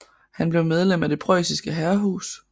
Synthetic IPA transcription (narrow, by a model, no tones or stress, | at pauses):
hænb̥leʊmeð̞ˠlem̰æd̥e̝pʰʁœ̰sisɡ̥əɦæɐɦṵːs